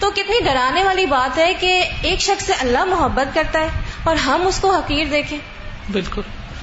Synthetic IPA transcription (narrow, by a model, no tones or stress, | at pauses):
t̪oːkɪt̪niɖʱɐɾaːneʋaːlibaːt̪ɦɛkeːkʃɐxseʔɐlːaɦmʊɦəbːət̪̚kɐɾt̪aɦɛːɔːɾɦɐmʊskoɦɐqiːɾd̪eːkʰẽː | bɪlkʊl